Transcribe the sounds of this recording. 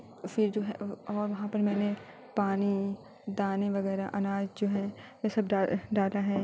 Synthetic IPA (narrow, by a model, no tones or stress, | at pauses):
fɪɾd͡ʒoːɦɛɔːɾʋɐɦãpɐɾmɛ̃ːne | paːni | d̪aːneʋɐɣɛːɾaʔɐnaːd͡ʒd͡ʒoːɦɛ̃ː | jesɐbɖaɖaːlaɦɛː